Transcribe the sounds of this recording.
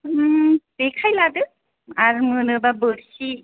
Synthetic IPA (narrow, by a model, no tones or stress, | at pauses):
tekʰajladɯ | aɾmɯnɯbabɯɾsi